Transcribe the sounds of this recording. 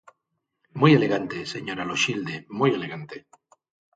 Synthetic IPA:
muje̞le̞ɣant̪eseɲo̞ɾaloʃild̪emuje̞le̞ɣant̪e̞

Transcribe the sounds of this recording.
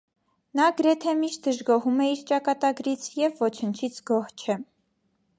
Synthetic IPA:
nɑɡəɾɛt̪ʰɛmiʃt̪̚d̪əʒɡɔɦumɛiɾt͡ʃɑkɑt̪ɑɡɾit͡sʰjɛvːɔt͡ʃʰənt͡ʃʰit͡sʰɡɔht͡ʃʰɛ

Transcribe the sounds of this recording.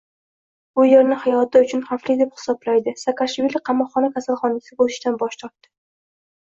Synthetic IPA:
bʊjeɾnɪhajɒt̪ʰɪʊt͡ʃʰʊnχaflid̪ephɪ̥sɒblajd̪ɪsakʰaʃvilɪqʰɑmɒqːɒnakʲʰasalˠχɒnasɪbolˠɪʃd̪anbɒʃt̪ʰɒɾt̪ːɪ̥

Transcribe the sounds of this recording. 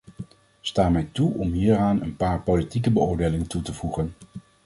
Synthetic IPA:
staːmɛjtuʔɔmɦiːraːnə̰npaːɹpolitikəbəʊːɹdeːjlɪŋəntutəvuχən

